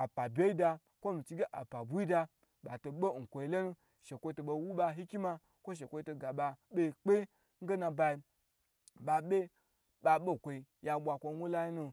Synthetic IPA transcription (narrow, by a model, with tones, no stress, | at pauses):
a˨pa˨bʲe˦i˦da˧ | kʷo˦mi˨t͡ʃi˦ɡe˦ʔa̰˨pa˨bu˦i˦da˧ | ɓa˨to˨ɓo˦˨ŋ̩˨kʷo˨i˨˦lo˦nu˦ | ʃe˨kʷo˦i˦to˨ɓo˧˦wu˦ɓa˧ɦi˦kʲi˦ma˦ | kʷo˦ʃ̬e˨kʷo˦i˦to˨ɡa˨ɓa˨ɓʲe˦˨k͡pe˦ | ŋ̩˦ɡe˦na˨ba˧i˧ | ɓa˨ɓʲe˦ | ɓa˨ɓo˦kʷo˨i˨ | ja˨ɓʷa˨kʷo˧˦wʷu˦la˦ji˦nu˧